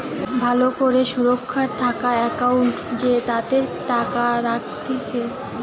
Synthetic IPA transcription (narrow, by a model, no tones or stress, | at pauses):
bʱalokoɾeʃuɾokʰːaɾt̪ʰakaɛkauɳʈd͡ʑet̪ad̪eɾʈakaɾak̚t̪it͡ɕʰe